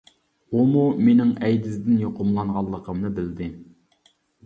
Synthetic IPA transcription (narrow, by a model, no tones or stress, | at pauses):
omumenɪŋɛjd̪ɪzd̪ɪnjoqʰʊmlˠɑnʁɑlˠːəqʰəmnɨbɪld̪ɪ